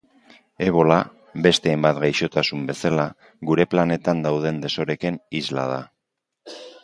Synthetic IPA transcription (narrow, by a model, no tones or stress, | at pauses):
e̞β̞o̞la | βe̞st̪e̞ːjmbat̪ɡajʃo̞t̪asumbe̞sala | ɣuɾe̞plane̞t̪and̪awð̞e̞nd̪e̞so̞ɾe̞kenizla̰ð̞a̰